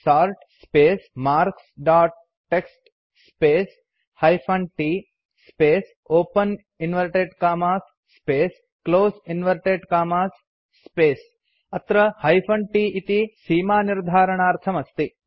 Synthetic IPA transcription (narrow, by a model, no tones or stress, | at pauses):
saːɾʈspeːsmaːɾksɖaːʈ̚ | ʈːeksʈ | speːs | hɐjpʰɐɳʈiː | speːs | oːpɐn | inʋɐɾʈeɖkaːmaːsːpeːs | kloːsinʋɐɾʈeɖkaːmaːsː | peːs | ɐt̪ɾɐhɐjpʰɐɳʈiːit̪isiːmaːniɾd̪ʱaːɾɐɳaːɾt̪ʰɐmɐst̪i